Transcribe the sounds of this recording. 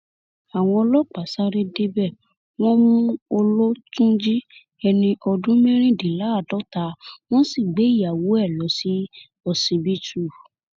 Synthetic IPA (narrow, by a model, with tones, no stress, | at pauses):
a˨w̃ɔ̃˧ɔ˧lɔ˦k͡pa˨sa˦ɾe˧de˦bɛ˦˨ | w̃ɔ̃˦mũ˦o˧lo˦tũ˦d͡ʒi˦ | ɛ˧nĩ˧ʔɔ˧dũ˦mɛ̃˦ɾ̃ĩ˦˨di˨la˨˦a˦˨dɔ˨˦ta˧˦w̃ɔ̃˦si˦˨ɡ͡be˨˦i˦˨a˨wo˨˦ɛ˦˨lɔ˨˦si˦ | ɔ˧sĩ˧bi˦tu˦˨